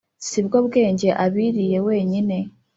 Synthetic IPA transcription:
siβɡo̞ːβɡe̞ːɲɟe̞ʔaβiːɾije̞we̞ːɲine̞

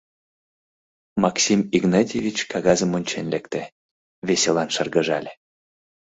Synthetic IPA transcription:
mɑksʲimiɣnɑtʲevʲit͡ɕkɑɣɑzəmonʲt͡ɕenlekt̪ĕ | veselɑnʃərɣəʒɑlʲe

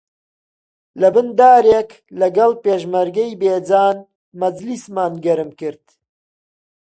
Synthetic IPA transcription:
lɐbɨnd̪aːɾek | lɐɡɐlpeːʒmɐɾɡɐjbeːd͡zaːn | mɐd͡ʒlismaːnɡɐɾɨmkɨɾd̪̥

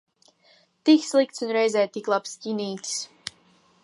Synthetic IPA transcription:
t̪ikslˠik̚t̪sunɾɛjzɛːt̪iklˠapsciniːt̪ʲs

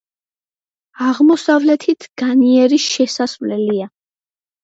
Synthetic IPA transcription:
aʁmɔsavlɛt̪ʰit̪ʰɡ̥aniɛɾiʃɛsasvlɛlia

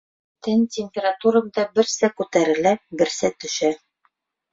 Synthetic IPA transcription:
t̪ɘnʲtʲɪmʲpʲeɾat̪uɾɤ̆md̪ɑbɘ̆ɾsækʉt̪æɾɘ̆læbɘ̆ɾsæt̪ɵ̆ʃæ

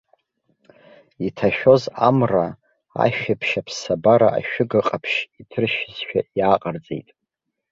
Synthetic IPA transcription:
itʰaʃᶣo̞zamra | a̰ʃᶣapʰʃapʰsabaɾa̰ʔa̰ʃᶣʊɡɨqʼapʰʃitʰɨrʃɪzʃᶣajaːqʼard͡ze̞̰jtʼ

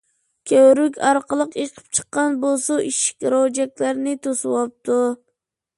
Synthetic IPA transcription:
kʲʰøwɾykʲɑɾqəlˠəqjeqʰə̥p̚t͡ʃʰə̥qːɑnbolˠsuiʃi̥kʲɾod͡ʒɛkʲlæɾnɪt̪ʰosɨwɑp̚t̪ʰu

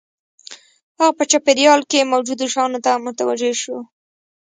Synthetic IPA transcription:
haɣapət͡ʃapeɾjɑlkemawd͡ʒud̪oʃɑnot̪amʊt̪awad͡ʒeʃo

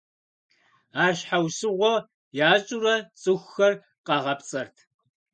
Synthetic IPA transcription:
aːrɕħawsɨʁʷɔ | jaːɕʼurɐt͡sʼɨxʷxɐr | qɑʁɐpt͡sʼɐrtʰ

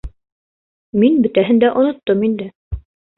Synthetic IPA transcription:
minbɘ̆t̪æɦɘ̆nd̪æʔŏnŏt̪ːɤmind̪ɘ

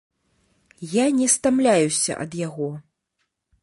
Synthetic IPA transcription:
janʲɛst̪amlʲajusʲɐ̰ʔɐ̰d̪jaɣɔ

